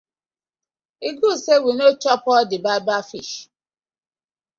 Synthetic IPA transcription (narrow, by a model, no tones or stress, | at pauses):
iɡusewinot͡ʃɔpɔdɪbabafiʃ